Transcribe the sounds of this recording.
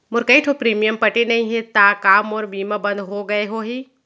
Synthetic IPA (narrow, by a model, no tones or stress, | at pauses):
mʊɾkɐiʈʰopɾiːmijəmpɐʈenɐɦĩɦɛt̪aːkaːmɔːɾbiːmabɐ̃nd̪ɦoɡɐeɦoːɦiː